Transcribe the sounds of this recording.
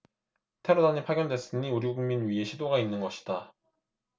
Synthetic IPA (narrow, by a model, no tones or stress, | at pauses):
tʰe̞ɾodaɲipʰaɡjʌndwe̞s͈ɯɲiuɾiɡuɡuŋminɥiɦe̞ɕʰidoɡainːɯnɡʌɕʰi̥d̥a